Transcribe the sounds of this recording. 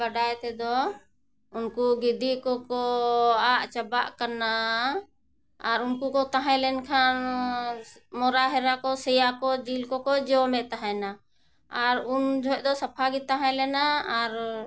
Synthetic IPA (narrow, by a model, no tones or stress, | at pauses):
əɖajt̪ɛd̪ɔ | unkuɡid̪ikɔkɔaʔt͡ʃabaʔkaɾna | aɾunkukɔt̪aɦãlɛnkʰan | mɔɾaɦɛɾakɔsɛjakɔd͡ʒilkɔkɔd͡ʒɔmɛʔt̪aɦãnaː | ɾund͡ʒʱɔʔ̚ˀd̪ɔsapʰaɡit̪aɦãlɛnaaɾ